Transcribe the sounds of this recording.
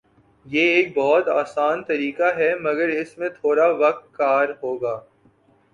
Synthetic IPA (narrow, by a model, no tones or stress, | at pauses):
jeːeːk̚bɔɦːɔt̪aːsaːnt̪ɐɾiːkaɦɛmɐɡəɾɪsmẽt̪ʰoːɾaʋɐk̚t̪̚kaːɾɦoːɡaː